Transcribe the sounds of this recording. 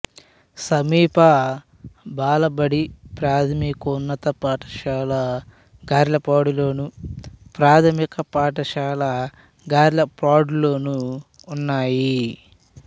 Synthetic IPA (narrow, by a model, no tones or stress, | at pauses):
sɐmiːpɐ | baːlɐbɐɽipɾaːt̪ʰɐmikonːɐt̪ɐpaːʈɐ̥ʃaːlɐ | ɡaːɾlɐpaːɽuloːnupɾaːt̪ʰɐmikɐpaːʈɐʃaːlɐ | ɡaːɾlɐpaːɖlo̞ːnuː | nːaːji